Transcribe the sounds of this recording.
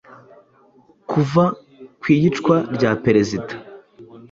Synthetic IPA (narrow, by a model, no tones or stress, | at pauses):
kuva | kwiːɟit͡ʃkwaɾɟaːpeɾezidḁ